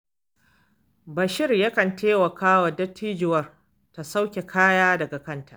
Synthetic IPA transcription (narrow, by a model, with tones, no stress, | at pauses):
bɐ˨ʃɪ˦rjɐ˦kɐ˨nteː˦wɐ˨kʰaː˦wɐ˨dɐ˦tʰːiː˦d͡ʒɪ˨wɐ˦r | ta˨sa˦wkʲe˨kʰaː˦jaː˦dɐ˨ɡa˨kɐ˦ntʰa̰˨ʔ